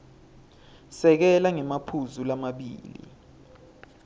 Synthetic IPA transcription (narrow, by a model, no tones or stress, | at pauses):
sɛk̬ɛlaŋɛmapʰuzulamaɓḭːlḭ